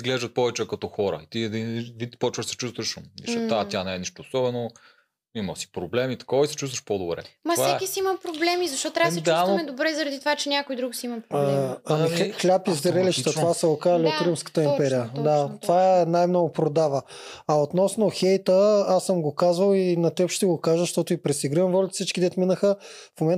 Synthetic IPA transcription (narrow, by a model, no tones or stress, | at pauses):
izɡlɛʒd̪ət̪̚pɔvɛt͡ʃɛkɐt̪ɔxɔɾə̰it̪iivipɔt͡ʃvəʃsɛ̥t͡ʃust̪vɐʃmḭt͡ʃɛat̪ʲjanɛːniʃt̪oːsɔbɛno | imɐsi̥pɾoblɛmit̪ɐ̥kɔvɐisɛ̥t͡ʃust̪vəʃpod̪obɾɛ̰mɐsvaɛkisiimɐpɾoblɛmizɐʃt̪ɔt̪t̪ːɾaɐst͡ʃ̪uamɛd̪obɾɛzɐɾɐd̪it̪ovat͡ʃɛnʲakojd̪ɾuksiimɐpɾoɐmixlʲapizɾɛliʃt̪ət̪ovasɛokaɾliot̪ɾimskə̥t̪əimpɛɾijəd̪at̪ovaɛnajmnɔɡʊpɾod̪avə | ɐot̪nɔsnoxɛjt̪əasːəmɡokazvəlˠinɐt̪ɛɔpʃt̪ɛɡokaʒəʃt̪ɔt̪ʊipɾɛsiɡɾiəmvɔlʲit̪sit͡ʃkid̪ɛt̪minəxəfmomɛn